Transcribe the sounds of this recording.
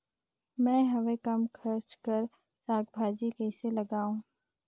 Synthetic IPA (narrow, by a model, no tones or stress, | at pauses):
mɛ̃ːɦɐʋẽkɐmkʰɐɾt͡ʃkəɾ | saːɡbʱaːd͡ʒikɛɪselɐɡaːũː